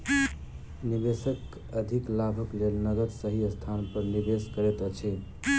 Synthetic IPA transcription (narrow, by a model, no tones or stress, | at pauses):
nibesək | əd̪ʱiklabʱəklelnəɡət̪səɦiəst̪ʰanpəɾnibeskəɾet̪ət͡ʃʰi